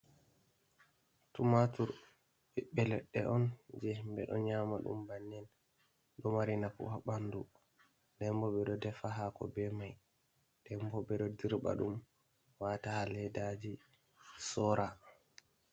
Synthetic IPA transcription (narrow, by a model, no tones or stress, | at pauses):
tumatuɾ | ɓɛɓɛlɛɗːɛʔɔnd͡ʒɛmbɛɗɔ̰ɲamaɗṵmbanːɛn | ɗɔmaɾinakṵhaɓandu | dɛmbɔɓɛɗɔdɛfaɦakɔ̰bɛmaj | d̥ɛmbɔbɛɗɔdiɾba̰ɗum | watahalɛdad͡ʒi | sɔɾa